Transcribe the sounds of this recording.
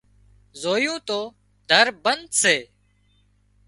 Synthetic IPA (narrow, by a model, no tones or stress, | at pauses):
zoːjũːt̪oː | d̪ʱəɾbənd̪seː